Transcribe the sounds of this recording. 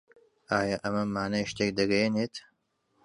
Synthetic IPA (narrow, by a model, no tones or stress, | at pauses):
ʔaːjaʔɐmɐmaːnajʃt̪eːk̚d̪ɐɡɐjeneːt̪